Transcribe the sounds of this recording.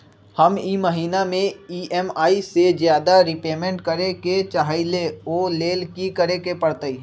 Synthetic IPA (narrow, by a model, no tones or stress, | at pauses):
həmiːməɦiːnamẽiːʔɛmaːised͡ʒjaːd̪aɾɪpeːmẽɳʈkəɾeket͡ʃaɦaileoːleːlkikəɾekepəɽt̪əi